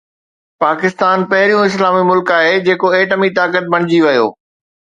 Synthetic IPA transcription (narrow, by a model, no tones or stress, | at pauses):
paːkɪst̪aːnpɐɦɪɾijũɪslaːmimʊlkaːɦed͡ʑeːkoeːʈəmit̪aːkət̪̚bɐɽ̃ɪd͡ʑiʋɐjo̰ː